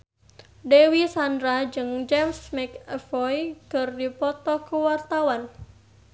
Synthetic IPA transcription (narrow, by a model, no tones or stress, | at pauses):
dewisandɾad͡ʒɨŋd͡ʒɛmsmɛkɛfɔjkərdipɔt̪ɔhkəwart̪awan